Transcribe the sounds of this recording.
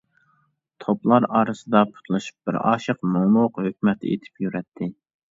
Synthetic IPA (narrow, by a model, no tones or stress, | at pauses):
t̪ʰoplˠɑɾɑːɾɨsɨd̪ɑpʰu̥t̪ʰlˠɨʃu̥p̚bɪ̰ɾɑ̰ːʃəqmomˠuqhøk̚ʲmɛt̪ḛt̪ʰɪ̥pjyɾɛt̪ʰːɪ